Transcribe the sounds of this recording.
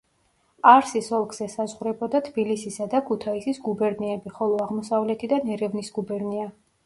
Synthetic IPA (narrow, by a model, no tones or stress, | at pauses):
aɾsisɔlˠkʰz̥ɛsazʁɾɛbɔd̪at̪ʰbilisisad̪akʰut̪ʰaisisɡubɛɾniɛbiχɔlˠɔaʁmɔsavlɛt̪ʰid̪anɛɾɛvnisɡ̥ubɛɾnia